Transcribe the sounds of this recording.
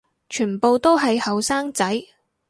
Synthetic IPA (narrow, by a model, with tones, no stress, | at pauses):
t͡ʃʰyː˨˩npo˨˧wt̪o˥wɦɐ˨jhɐ˨wsaː˥ŋt͡sɐ˨˥j